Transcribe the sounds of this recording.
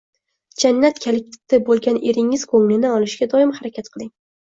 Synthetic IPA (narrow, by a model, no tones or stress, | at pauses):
d͡ʒanːat̪kʲʰelɪk̚ʲt̪ʰɪ̥t̪ːɪbolˠɡʲanʔeɾɪŋɪz̥kʰɵŋlɪnɪɒlˠɪʃɡʲad̪ɒɪmhaɾakʲʰat̪qʰɨlˠɪŋ